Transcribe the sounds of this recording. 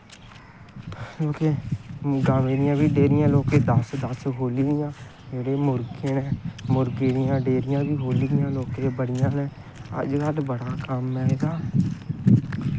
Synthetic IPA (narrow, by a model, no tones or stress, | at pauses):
loːkeːɡaːʋeːɾɪjãːbiːɖeːɾɪjãːloːkeːd̪əsd̪əsɦoːliːɾɪjãː | d͡ʒeːɽeːmʊɾɡẽːnɛ̃ːmʊɾɡeːɾɪjãːɖeːɾɪjãːbiːɦoːliːɾɪjãːloːkeːbəɽɪjãːnɛ̃ː | ə̰d͡ʒkəd̪bəɽaːkəmːɛeːɡaː